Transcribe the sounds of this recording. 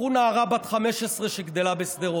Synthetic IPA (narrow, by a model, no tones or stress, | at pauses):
unaːʁabat̪χameʃesʁeʃeɡd̪elabesd̪eʁo